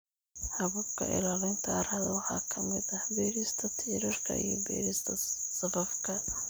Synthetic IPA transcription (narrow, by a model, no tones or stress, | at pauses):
hɐβʊbkʰɐ̰ʔɪ̰laːlɪnt̪ʰaːɾhɐðɐwɑħɑːkʰɐmɪd̪ɐhbɛːɾist̪ʰɐt̪ʰiːɾɐrkʰɐ̰ḭjɔ̰bɛ̰ːɾɪst̪ʰɐsɐfɐfkʰɐ